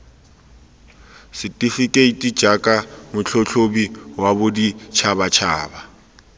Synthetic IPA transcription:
sɪtʼifikʼeitʼi̥d͡ʒ̥ʱakʼamʊt͡ɬʰɔɬʰobiwabʊdit͡ʃʰaβat͡ʃʰa̰ːba

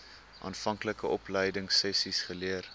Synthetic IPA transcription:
ʔɑ̰ːnfɐŋkləkəʔɔpləjdəŋsɛsisχəliər

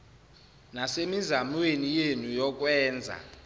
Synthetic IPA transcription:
nasemizamwenijenujɔk̬ʼwɛːnd͡zʱa̰

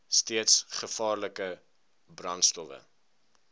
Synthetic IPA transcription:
stiətsχəfɑːrləkə | brɐntstɔvə̰

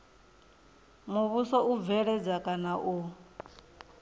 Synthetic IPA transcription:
muβusɔʔuvɛɺɛd͡zakʼanaʔu

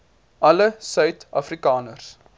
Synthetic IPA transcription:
ʔɐləsœɥtɐfrikɑːnərs

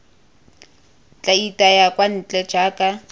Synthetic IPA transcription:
t͡ɬʼaitʼajakʼwan̩t͡ɬʼɛ̥d͡ʒ̥aːkʼa

